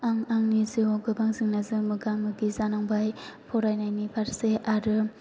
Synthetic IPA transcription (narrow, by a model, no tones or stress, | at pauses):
aŋaŋnizuɡɯbaŋzɯŋnazɯmɯɡamɯɡizanaŋbajpʰɔɾajnajnipʰaɾseʔaɾɯ